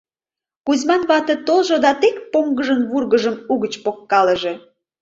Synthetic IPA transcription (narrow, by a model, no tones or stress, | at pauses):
kuzʲmɑnβɑt̪ə̆t̪olʒod̪ɑt̪ek̚poŋɡəʒənβurɣəʒəmuɣət͡ɕpokːɑləʒe̽